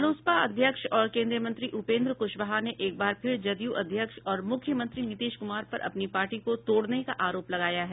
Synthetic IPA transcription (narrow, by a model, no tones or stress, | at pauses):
loːspaɐd̪ʱjəkʃɔːɾkẽːnd̪ɾijəmɐ̃nt̪ɾiʔʊpẽːnd̪ɾkʊʃbəɦaneʔeːk̚baːɾpʰɪɾd͡ʒɐd̪ijuʔɐd̪ʱjəkʃɔːɾmʊkʰːjəmɐ̃nt̪ɾinɪt̪eːʃkʊmaːɾpɐɾʔɐ̰pnipaːɾʈikot̪oːɽnekaʔaːɾoːplɐɡaːjaɦɛː